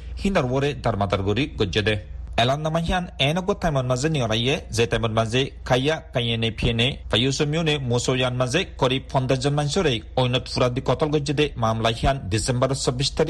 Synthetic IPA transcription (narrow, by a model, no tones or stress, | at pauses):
hinaɾuwɔɾed̪aɾmad̪aɾɡɔɾiɡɔd͡ʒed̪ɛɛlanːamaɦianɛnɔɡɔt̪ajmɔɾmazeniɔlajːɛzet̪ajmɔɾmazekʰajːakajenepʰienefajosɔmionemosɔjanmazekɔɾib̚fʰɔnd̪azɔnmaɲsɔɾejɔjnɔt̪fuɾad̪ikɔt̪ɔlɡɔd͡ʒed̪ɛmamlaɦiandisɛmbɔɾɔsɔbːiʃt̪ʰaɾi